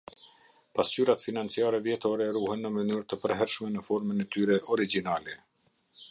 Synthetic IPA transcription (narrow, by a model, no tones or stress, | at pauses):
past͡ɕyɾat̪finant͡siaɾɛvjɛt̪ɔɾɛruhɛnːəmənyɾt̪əpəɾɦɛɾʃmɛnəfɔɾmənɛt̪yɾɛʔɔɾid͡ʒinalɛ